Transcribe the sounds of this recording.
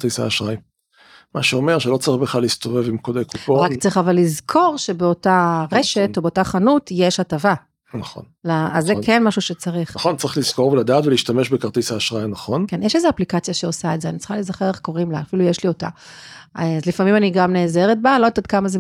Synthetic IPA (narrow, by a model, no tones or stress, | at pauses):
t̪isa̰ːʃʁaj | maʃeo̞meʁʃelo̞t͡saʁiχbeχlalist̪o̞vevimkod̪ejkupoʁakt͡sʁiχavalːizkʰo̞ʁʃe̞beo̞taʁeʃe̞to̞beotaχanutjeʃhatava | naχo̰nlaazːekenmaʃuʃet͡saʁiχaχont͡saʁiχliz̥ko̞ʁveladaːt̪veliʃtame̞ʃbekaʁt̪isaːʃʁajnɐχo̞nkenjeʃezeaplikat͡sjaʃeosaetzeanit͡sʁ̥i̥χalezaχeʁeχko̞ʁimlafilujeʃlio̞ta̰ | azlifamimaniɡamneːzeʁet̚balodt̪at̪kamaze